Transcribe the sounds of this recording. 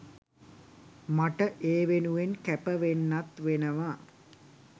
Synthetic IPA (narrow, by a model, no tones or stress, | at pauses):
maʈəʔeːʋenuʋenkæpəʋenːat̪ʋenəʋa